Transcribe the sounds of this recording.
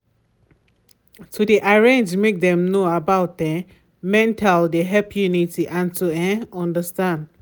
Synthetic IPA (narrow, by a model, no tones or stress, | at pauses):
tʰudiʔaɹẽnd͡ʒmek̚dɛ̃mnoabaʊt̚dɛ | mɛ̃ntʰaldeɦɛpʰjunitiʔãntʰuɛ̃ɔ̃ndəstãnd